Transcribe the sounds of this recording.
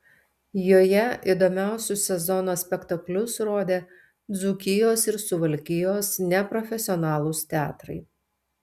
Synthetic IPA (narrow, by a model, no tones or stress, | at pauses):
joːjɛid̪oːmʲæˑʊsʲʊsʲɛzɔnoːsʲpʲɛkt̪ɐklʲʊsɾoːd̪ʲeː | d̪zʊkʲɪjoːsɪɾsʊʋɐlʲkʲɪjoːsnʲɛpɾɔfʲɛsʲɪɔnɑːlˠʊst̪ʲɛɑːt̪ɾɐ̰ɪ